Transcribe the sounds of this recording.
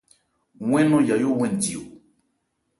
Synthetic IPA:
w̃ẽ˦nõ˦ja˨jo˦wẽ˦˨n˨t͡si˨o˨

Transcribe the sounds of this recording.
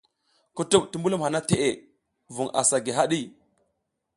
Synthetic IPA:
ku˨tu˦p̚tu˨mbu˦lu˦mha˨na˦te˨ʔe˨ | vu˨ŋa̰˨sa˨ɡi˨ɦa˦ɗi˦˨

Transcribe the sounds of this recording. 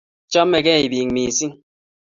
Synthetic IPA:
t͡ʃɔ˦mːɛ˨kɛ˦˨i˨biː˨ŋmiː˨si˦ŋ

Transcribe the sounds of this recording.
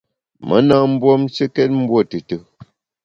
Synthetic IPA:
mʔə̰˦na˦m̩˦bwɔ˦mt͡ʃə˦kɛ˦t̚m̩˦bwo˦˨tɨ˨tɨ˦

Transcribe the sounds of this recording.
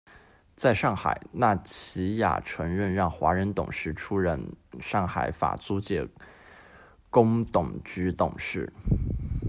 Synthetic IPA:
t͡sa˥˧ɪʂɑ˥˩ŋxa̰˨˩ɪna˥˩t͡ɕʰi˧˥ja̰˨˩ʈ͡ʂʰə˧˥ŋɻə˥˧nɻɑ˥˩ŋxwa˧˥ɻə˧˥nt̪ʊ̰˨˩ŋʂɻ̩˥˩ʈ͡ʂʰu˥ɻə˥˩nʂɑ˥˩ŋxa˨˩ɪfa̰˨˩t͡su˥t͡ɕjɛ˧˥˩ | kʊ˥ŋt̪ʊ˨˩ŋt͡ɕy˥t̪ʊ˨˩ŋʂɻ̩˥˩

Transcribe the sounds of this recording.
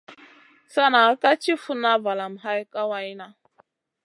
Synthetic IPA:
sa˦na˨˦ka˦t͡ʃi˦fu˦na˦va˨la˨m˨ɦa˦jka˦wa˦i˦na˦

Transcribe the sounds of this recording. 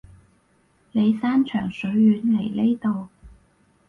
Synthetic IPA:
le˨˧jsaː˥nt͡ʃʰœː˨˩ŋsɵ˨˥ɥːyː˨˥nle˨˩jle˥jt̪o˨w

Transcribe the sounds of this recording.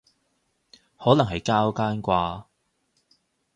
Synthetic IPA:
hɔː˨˥lɐ˨˩ŋɦɐ˨jkaː˥wkaː˥nkʷaː˧

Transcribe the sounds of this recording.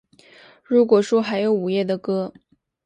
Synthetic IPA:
ɻu˧˥kwɔ˨˩ʂwɔ˥xa˧˥ɪjo˧˥ʊu˨˩jɛ˥˩d̪ə˩kɤ˥

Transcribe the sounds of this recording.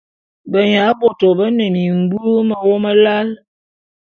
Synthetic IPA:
bə˨ɲa˨˦bo˨to˨bə˦ne˨mi˨ŋ̩˨˦bu˦o˦mə˨wo˦mə˦la˦l

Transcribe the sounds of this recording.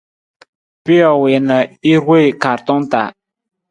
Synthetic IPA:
pi˦ɔ˨we˨nə˨i˦we˦˨ka˨ɾtɔ˦nta̰˨

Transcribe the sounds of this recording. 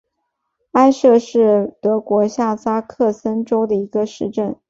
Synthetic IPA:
a˥ɪʂɤ˥˧ʂɻ̩˥˩t̪ɤ˧˥kwɔ˧˥ɕja˥˩sa˥kʰɤ˥˩sə˥nʈ͡ʂo˥ʊd̪ə˨˩i˧˥ɡə˧ʂɻ̩˥˧ʈ͡ʂə˥˩n

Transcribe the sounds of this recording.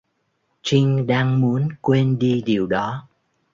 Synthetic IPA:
t͡ɕï˧ŋ̟ɗaː˧ŋmu˨˦ənkwe˧nɗi˧ɗi˨˩əwɗɔ˨˦

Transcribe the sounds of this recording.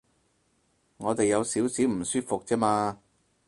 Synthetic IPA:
ŋɔː˨˧t̪e˨jːɐ˨˧wsiː˨˥wsiː˨˥wm̩˨˩syː˥t̚fʊ˨k̚t͡sɛː˥maː˧

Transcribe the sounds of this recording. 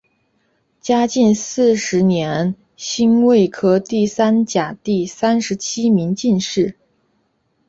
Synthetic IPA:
t͡ɕja˥t͡ɕi˥˧nsɹ̩˥˩ʂɻ̩˧˥njɛ˧˥n | ɕi˥nwe˥˩ɪkʰɤ˥t̪i˥˩sa˥nt͡ɕja˨˩t̪i˥˩sa˥nʂɻ̩˧˥t͡ɕʰi˥mi˧˥ŋt͡ɕi˥˧nʂɻ̩˥˩

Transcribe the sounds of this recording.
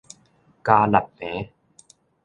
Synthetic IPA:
kaː˧la˨˩t̪̚meː˦

